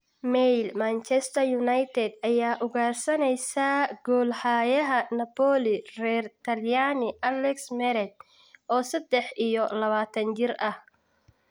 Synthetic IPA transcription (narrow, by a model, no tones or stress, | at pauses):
mɛjlmant͡ʃɛst̪ʰɐjʊnɐjt̪ʰɛd̪ɐjaːʔʊɣaːrsɐnɛjsaːɡɔːlħaːjɐɦɐnɐpɔːlɪrɛːrt̪ʰɐljaːnɪʔɐlɛksmɛɾɛd̪̚ | ʔɔːsɐd̪ɛħʔijɔlɐβaːt̪ʰɐnt͡ʃɪrɐh